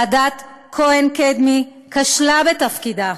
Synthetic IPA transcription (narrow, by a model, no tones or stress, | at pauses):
ad̪at̪ | kʰoenked̪mi | kaʃlabet̪afkid̪a